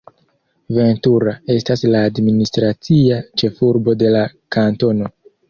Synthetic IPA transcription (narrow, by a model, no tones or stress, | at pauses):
ve̞ntuɾae̞staslaːdministɾat͡siat͡ʃe̞fuɾbo̞de̞lakanto̞no̞